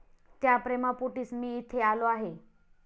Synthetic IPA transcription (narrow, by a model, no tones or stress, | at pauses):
t̪japɾemapoʈiːsmiːt̪ʰealoaɦe